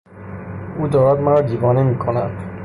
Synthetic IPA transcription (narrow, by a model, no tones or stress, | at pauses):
uːd̪ɒːɾæd̪mæɾɒːd̪iːvɒːnemiːkʰonænd̪̥